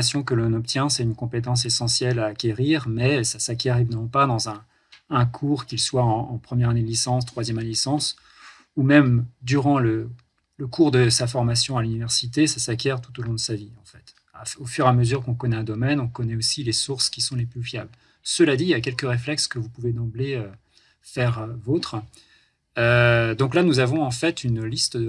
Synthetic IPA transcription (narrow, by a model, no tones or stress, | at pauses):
asjɔ̃kəlɔ̃nɔpt̪jɛ̃sɛt̪ynkɔ̃pet̪ɑ̃s̬esɑ̃sjɛlaːkʲeʁiʁmɛsasakʲɛʁevinmɑ̃pad̪ɑ̃zɛ̃ː | kʰuʁkʲilswaɑ̃ːpχəmjɛʁaned̪lisɑ̃st̪χwazjɛmalisɑ̃s | umɛmd̪yʁɑ̃lə | ləkuʁd̪əsafɔʁmasjɔ̃alynivɛʁsit̪esasakʲɛʁt̪ut̪olɔ̃d̪əsaviɑ̃fɛt̪ | aofyʁaməzyʁkɔ̃kɔnɛɛ̃d̪ɔmɛnɔ̃kɔnɛosilesuʁskʲisɔ̃leplyfjabl | səlad̪ilak̬ʲɛlkəʁeflɛkskəvupuved̪ɑ̃bleø | fɛʁvot̪χ | ød̪ɔ̃klanuzavɔ̃ɑ̃fɛt̪ynlist̪ə